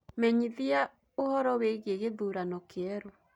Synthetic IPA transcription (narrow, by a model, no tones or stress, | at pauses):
mɛɲiðia | ohɔɾɔweɣeɣeðuɾanɔkeɛɾo